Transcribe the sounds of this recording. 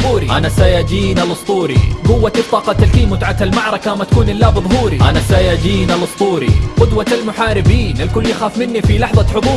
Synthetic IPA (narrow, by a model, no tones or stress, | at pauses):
uːɾiʔanasaːjaːd͡ʒiːnalɨsˤt̪ˤuːɾḭɡʊwːat̪t̪ˤːɑːqɑt̪alkiːmʊt̪ʕat̪almɑʕɾˤɑkamat̪akuːnʔɪlːaːbɨðˤhuːɾiʔanasaːjaːd͡ʒiːnalɨsˤt̪ˤuːɾḭqʊd̪waalmʊħaːɾɪbiːnʔalkʊlːjaxaːfmɪnːifilɑħðˤɑħʊðˤuː